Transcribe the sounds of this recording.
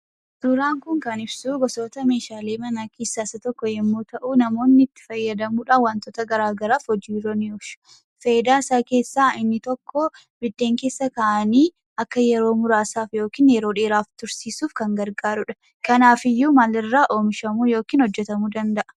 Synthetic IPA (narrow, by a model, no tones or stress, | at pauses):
sʊɾaːŋkʊŋkɐnɪbsuɡɔso̞ːt̪ɐme̞ːʃaːle̞ːmɐnaːkiːsːaːsɐt̪ɔkːɔjɛmːoːt̪ɐʔuːnɐmo̞ːnːɪɪt̪ːɪ̥fɐjːɐd̪ɐmuːᶑaːwaːnt̪oːt̪ɐɡɐɾaːɡɐɾaːfhɔd͡ʒiːɾɔnɪɔʃʊ̥ | fed̪aːsaːke̞ːsːaːʔɪnːɪt̪ɔkːɔ | bɪd̪ːeːŋke̞ːsːɐkaʔɐniː | ɐkːɐjɛɾo̞ːmʊɾaːsaːfjo̞ːkiːnjɛɾoːᶑeːɾaːft̪ʊɾsiːsuːfkɐŋɡɐɾɡaːɾʊᶑɐ̥ | kɐnaːfɪjːumɐlɪrːaːʔo̞ːmʃɐmuːjo̞ːkiːnhɔd͡ʒːɛt̪ɐmuːd̪ɐnd̪ɐʔɐ̥